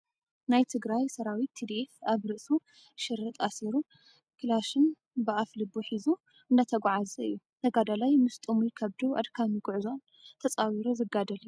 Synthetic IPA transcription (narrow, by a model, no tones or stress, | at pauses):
najt̪ʰɨɡɾajsɐɾawit̪ʰːid̪iefaβɾɨʔsu | ʃɪɾːɨt̪ʼasiɾu | kʰɨlaʃɨn | bɨʔaflɨbuħizu | ɨnd̪ɐt̪ʰɐɡʷʕazɐɨ̰jːu | t̪ʰɐɡad̪alajmɨst̪ʼɨmujkʰɐβd̪uʔa̰d̪kʰamiɡʊʕzo̞n | t̪ʰɐt͡sʼawiɾozɨɡad̪ɐliu